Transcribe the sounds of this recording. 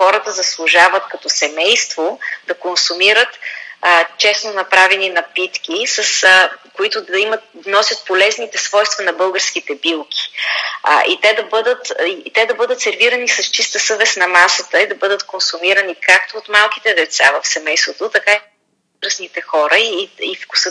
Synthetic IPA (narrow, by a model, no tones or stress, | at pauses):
xɔɾət̪əzɐslˠʊʒavət̪kɐt̪ɔsɛmɛjst̪vod̪ɐkonsumiɾət̪ː | t͡ʃɛsnonɐpɾavɛninɐpit̪k̟ʲisɐskoit̪ʊd̪ɐimət̪nɔsʲjət̪̚polɛznit̪ɛsvɔjst̪vɐnɐbɤlˠɡəɾskit̪ɛbilˠkʰʲi̥̰ | ʔit̪ɛd̪ɐbɤd̪ət̪it̪ɛd̪ɐbɤd̪ət̪sɛɾviɾənisɐst͡ʃist̪əsɤvɛsnɐmasət̪əid̪ɐbɤd̪ət̪konsumiɾənikak̚t̪oːt̪malˠki̥t̪ɛd̪ɛt̪savɐfsɛmɛjst̪vot̪ot̪ɐka | ɾəsnit̪ɛxɔɾəiifku̥sə